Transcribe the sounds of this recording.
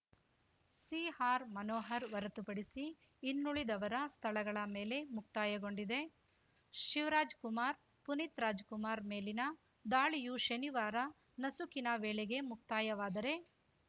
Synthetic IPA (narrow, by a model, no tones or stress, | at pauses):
siːhaːɾmɐnɔːɦɐɾʋɐɾɐt̪upɐɽisiː | nːuɭid̪ɐʋɐɾɐst̪ʰɐɭɐɡɐɭɐme̞ːle̞mukt̪aːjɐɡo̞ɳɖid̪e̞ | ʃiʋɾaːd͡ʒkumaːɾ | punit̪ɾaːd͡ʒkumaːɾme̞ːlinɐ | d̪aːɭijuʃɐniʋaːɾɐ | nɐsukinɐʋeːɭeɡe̞muk̚t̪aːjɐʋaːd̪ɐɾe̞